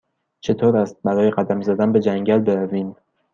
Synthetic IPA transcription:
t͡ʃʰe̞t̪ʰoːɾæst̪̚bæɾɒːje̞ɢæd̪æmzæd̪ænbe̞d͡ʒæŋɟælbe̞ɾæviːm

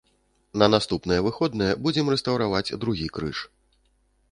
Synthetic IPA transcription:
nɐnast̪upnɨjɛvɨxɔd̪nɐjɛbud͡zʲɛmrɛst̪ɐwɾavad͡zʲd̪ɾuɣʲikɾɨ̰ʂ

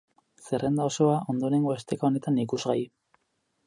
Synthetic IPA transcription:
se̞re̞nd̪ao̞so̞aʔo̞nd̪o̞eɾe̞ŋɡo̞est̪ekao̞ne̞t̪anikuzɣai

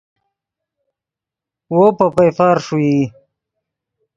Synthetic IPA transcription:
wopapajfaːɾʂui

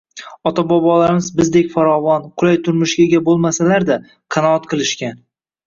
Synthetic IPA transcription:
ɒt̪ʰabɒbɒlaɾɪmɪzbɪzd̪e̞kʲfaɾɒvɒnqʰʊlˠajt̪ʰʊɾmʊʃɡʲaɡʲabolˠmasalaɾd̪a | qʰɑnɒɒt̪̚qʰɨlˠɪʃkʲan

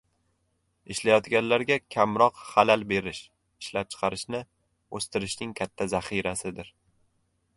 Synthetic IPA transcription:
ɪʃlajɒt̪ɡʲanlaɾɡʲakʲʰamɾɒqχalalbe̞ɾɪʃ | ɪʃlap̚t͡ʃʰɨ̥qʰɑɾɪʃnɪ | ɵst̪ɪɾɪʃnɪŋkʲʰat̪ʰːazaχiɾasɪd̪ɪɾ

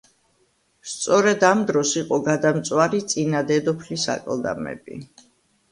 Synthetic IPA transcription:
st̪sʼɔɾɛd̪amd̪ɾɔsiqʼɔɡad̪amt̪sʼwaɾit̪sʼinad̪ɛd̪ɔpʰlisa̰kʼlˠd̪a̰mɛ̰bḭ

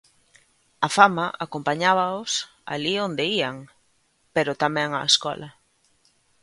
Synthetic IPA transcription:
ɐfamɐʔakompaɲaβɐʊs | a̰liond̪eiaŋ | peɾʊt̪amɛ̃ŋa̰eskɔ̰lʔɐ

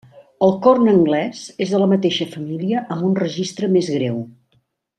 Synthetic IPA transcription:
əlˠkɔrnəŋɡlɛzezðələmət̪eʃəfəmiliəʔəmbunrəʒist̪ɾəmezɣɾew

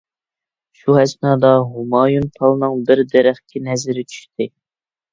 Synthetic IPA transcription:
ʃuɦɛsnɑːd̪ɑɦumɑːjunpʰɑlˠnɨŋbɪɾd̪ɛɾæχkʲɛnɛzɪɾɪt͡ʃʰy̥ʃt̪ʰɪ

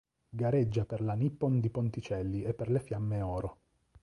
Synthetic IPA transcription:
ɡaɾed͡ʒːaperlanipːond̪ipont̪it͡ʃɛlːiepːerlefjamːeɔːɾo

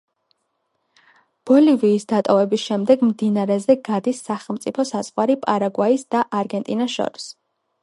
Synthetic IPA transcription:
b̥ɔliviːsd̪at̪ʼɔvɛbisʃɛmd̪ɛɡmd̪inaɾɛzɛɡad̪isːaχɛlˠmt̪sʼipʰɔsaz̥ʁʼwaɾipʼaɾaɡwaisd̪aʔaɾɡɛnt̪ʼinaʃɔ̰ɾis

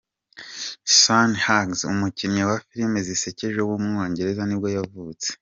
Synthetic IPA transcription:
sanhaɡzṵmucinɲawafiɾimezise̞ceʒeuwumŋo̞ːɲɟe̞ɾe̞zanibɡo̞javuːt͡se̥

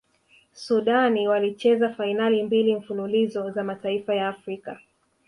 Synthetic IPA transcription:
suɗaniwalit͡ʃɛzafainalimbiliɱ̩fululizɔzamataifajaːfɾika

